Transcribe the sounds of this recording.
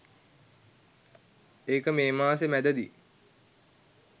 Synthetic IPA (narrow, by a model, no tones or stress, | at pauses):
eːkəmeːmaːsemæd̪əd̪i